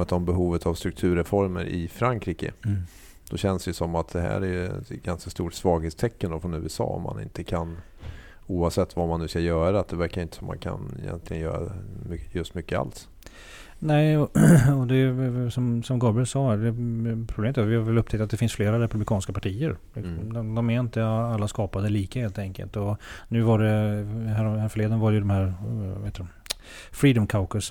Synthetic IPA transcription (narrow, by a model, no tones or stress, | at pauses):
ɛt̪ɔmbɛɦuːvət̪ʰavst̪ɾɵkt̪ʰʉ̟ːɾɛfɔɾmə̰ɾʔɪfɾaŋkʰɾiːkə̰ | d̪̥ɔɕɛnsd̪ɛjəsɔmːat̪̚d̪̥ɛɦæ̰ːɾæɾjɵɛ̰t̪ɡanskast̪uːʈsvɑːɡheːt̪st̪ʰɛkːənd̪ɔfɾɔnʉ̟ːəsɑ̰ːɔ̰mːa̰nɪ̰nt̪əkʰan | uːavsɛt̪ːvamanːʉ̟ːskajœːɾat̪̚d̪ɛvæɾkaɾjʏnt̪əsɔmːa̰nkʰa̰nɛ̰jɛ̰nt̪lɪɡənjœ̰ːɾa̰mʏjɵst̪mʏkːəa̰ls | nɛɪɔɔd̪ɛsɔmsɔmɡɔlbɪlsɑːæɖɛpʰɾʊbeːmɪt̪ːvɪhaɾvɛlɵp̚ːt̪ʰɛkt̪at̪d̪ɛfɪnsfleːɾaɾɛpɵblɪkʰɑːnskapaʈʰiːəɾlɪksɔmd̪d̪ɔmæɾɪnt̪əalːaskɑːpad̪əliːkaheːlt̪ʰɛŋkə̰lt̪ɔnʉ̟ːvaɖɛhæɾhæɾfœɭeːd̪ənavaɾɛjəd̪ɔmhæːɾheːt̪ːdɛm | fɾiːd̪ɔmkʰaʊkəs